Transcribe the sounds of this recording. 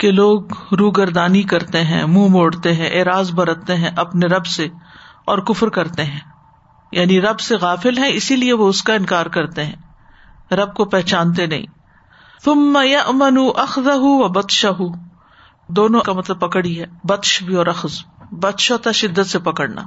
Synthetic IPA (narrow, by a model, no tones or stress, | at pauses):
keloːɡɾuːɡɐɾd̪aːnikɐɾt̪eɦɛ̃ːmũːmoːɽt̪eɦɛ̃ʔeːɾaːzbɐɾət̪eɦɛ̃ʔɐpneɾɐbse | ɔːɾkʊfɾkɐɾt̪eɦɛ̃ː | jaːniɾɐbseɣaːfɪlɦɛ̃ɪsilieʋoʊskaɪ̃nkaːɾkɐɾt̪eɦɛ̰̃ː | ɾɐb̚kopɛɦt͡ʃaːnt̪̬enɐ̰ɦḭ̃ː | θʊmːɐjɐʔmɐnuʔɐxðɐɦuʋɐbɐt̪ʃɐɦu | d̪oːnõkamɐt̪ləb̚pɐkɽiɦɛːbɐt̪ʃbʱiɔːɾɐxzbɐt̪ʃot̪aʃɪd̪ːət̪sepɐkəɽna̰ː